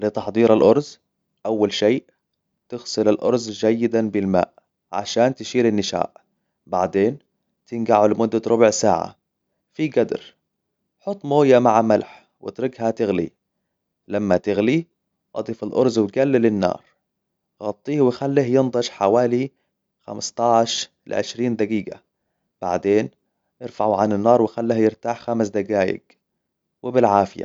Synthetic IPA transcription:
lɪt̪ɑħd̪ˤiːɾalʔʊɾˤz | ʔawːalʃeːʔ | t̪ɪɣsɨlalʔʊ̰ɾˤzd͡ʒajːɪd̪anbɪlma̰ːʔ | ʕa̰ʃaːnt̪ɪʃiːɾɪnːɪʃa̰ːʔ | ba̰ʕd̪eːn | t̪ɪnɡaʕʊlmʊd̪ːat̪ɾˤʊbʕsa̰ːʕa̰ | fiɡad̪ɾ | ħʊt̪ˤːmoːjamaʕamalħ | wɪ̰t̪ɾɪɡɦat̪ɪɣlḭ | lamːat̪ɪɣli | ʔɑd̪ˤiːfɪlʔʊ̰ɾˤzwɡalːɪlɪnːɑ̰ːɾˤ | ɣɑt̪ˤːiːhwɪxalːiːhjɪnd̪ˤɑʃħawaːli | xa̰mɪst̪ˤɑʕʃ | lʕɪʃɾiːnd̪aɡiːɡa̰ | b̥a̰ʕd̪eːn | ʔɪɾfaʕuʕanɪnːɑːɾˤwɪxalːihjɪɾt̪aːħxamɪsd̪aɡaːjɪ̰ɡ | wɪbɪlʕaːfɪja̰

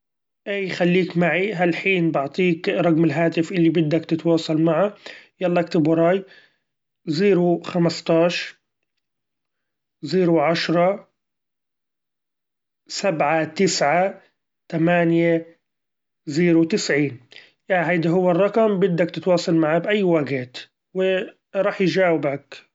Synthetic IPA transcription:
ʔaːjxalːiːkmaʕiɦalħiːnbɪʕt̪ˤiːkɾˤɑɡmɪlɦaːt̪ɪfʔɪlːibɪd̪ːakt̪ɪt̪wɑːsˤɑlmaʕajɑlːɑkt̪ɪbɾˤɑːj | ziːɾuxamɪst̪ɑːʃ | ziːɾuʕaʃɾˤɑ | sabʕat̪ɪsʕa | t̪amaːnja | ziːɾut̪ɪsʕiːn | jaɦajd̪aɦʊwːɪrˤːɑqɑmbɪd̪ːakt̪ɪt̪wɑːsˤɑlmaʕabʔajːwaːɡaːt̪ | wɪ | ɾˤɑːħjd͡ʒaːwɪbak

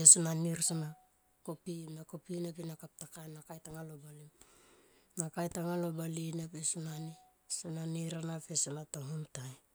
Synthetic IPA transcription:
esonaniɾsana | kopinakopinepinakap̚takajnakajtaŋalobalim | nakajtaŋalo̞balinapesonani | sananiɾanafesanatoŋomtaj

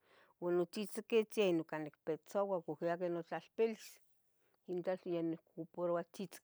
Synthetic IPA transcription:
wanot͡ʃit͡sket͡sainokanekpet͡sowakokiak̬enot͡ɬalpelis | int͡ɬat͡ɬjanekupoɾwat͡ʃit͡sk

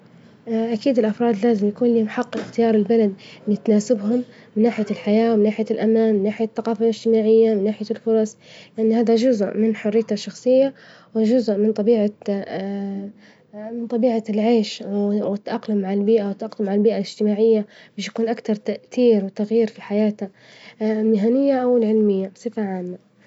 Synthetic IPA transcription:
ʔʔakiːd̪ɪlʔɑfɾˤɑːd̪laːzɪmjakuːnliːhʊmħɑqːxt̪ɪjɑːɾˤɪlbalad̪̚ɪt̪anaːsɪbɦʊmmɪnːaːħɪjalħajaːwmɪnːaːħɪjalʔamaːnmɪnːaːħɪjaθːaqɑːfalɪd͡ʒt̪ɪmaːʕɪjːamɪnːaːħɪjalfʊɾˤɑsˤlɪʔanːhaːðad͡ʒʊzʔmɪnħʊrɪjt̪aʃːɑxsˤɨjːa | wɪd͡ʒʊzʔmɪnt̪ˤɑbiːʕa | mɪnt̪ˤɑbiːʕalʕeːʃwɪt̪ːaʔɑqlʊmːaʕalbiːʔawɪt̪ːʔɑqlʊmːaʕalbiːʔalɪd͡ʒ̥t̪ɪmaːʕɪjːab̥eːʃjḁkuːnʔakt̪ɑɾˤt̪aʔθiːɾwɪt̪aɣjiːɾfiħajaːt̪a | mɪɦanɪjːaʔawɪlʕɪlmɪjːasˤɨfaʕaːmːa

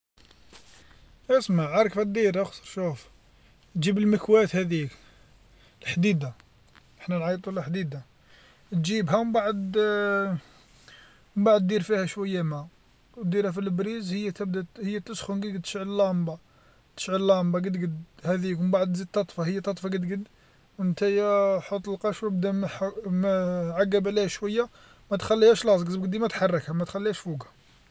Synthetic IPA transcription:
ʔəsmaʕʕɑɾˤkfæt̪̚d̪iɾæxsəɾʃuf | t̪ʒibəlməkwæt̪hæd̪ik | əlħd̪id̪a | ʔəħnænʕɑjt̪ˤulæħd̪id̪a | t̪ʒibhæwmbaʕəd̪ | mbaʕəd̪d̪iɾfihæʃwəjːæmæ | wd̪iɾhæfilbɾizhəjːæt̪əbd̪æhəjːæt̪ːəsxʊnɡəɡəd̪t̪ːə̥ʃʕəllːɑmbɑ | t̪ə̥ʃʕəllɑmbɑɡəd̪ɡəd̪hæd̪ikmbaʕd̪zid̪̚t̪ːɑt̪ˤfɑhəjːæt̪ɑt̪ˤfɑɡəd̪ɡəd̪ | wənt̪æjħot̪ˤːəlqɑʃwəbd̪æmmʕaɡːæbʕlihæʃwæjːa | mæt̪xælːihæʃlɑzˤɡzbɡd̪imæt̪ħɑrˤːɑkhæmæt̪xælːihæʃfuɡæ

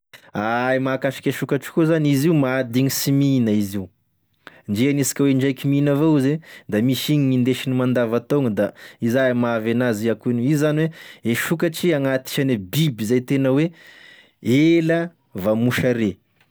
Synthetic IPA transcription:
aimakafi̥kʲeʃukaʈ͡ʂi̥kuzaniziumaad̪iɲisiminəizi | ɳɖ͡ʐeanisi̥kʲəweɳɖ͡ʐajkʲiminavoized̪amiʃiɲiɲind̪eʃinimand̪avat̪oŋəd̪aizamaavanaziakunuizaniweeʃukaʈ͡ʂiaŋat̪i̥ʃanebibizajt̪enəwe | elə | vamuʃaɾe

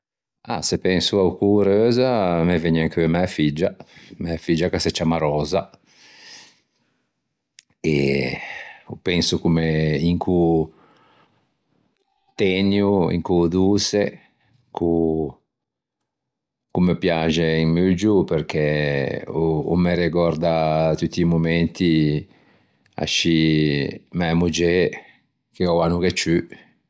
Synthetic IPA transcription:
a̰sepɛŋsuaukuɾøːzamevɛɲaŋkyemɛafid͡ʒamɛafid͡ʒakasɛt͡ʃamaɾɔːza | e | upɛŋsukumeiŋku | t̪ɛnjuḭŋkud̪use | ku | kumepjad͡ʒeinmiud͡ʒupeɾkɛ | uṵmeɾeɡɔɾd̪at̪ut̪ːiːmumɛnt̪i | a̰ʃi | mɛmud͡ʒe | k̟eɔanuɡet͡ʃːy

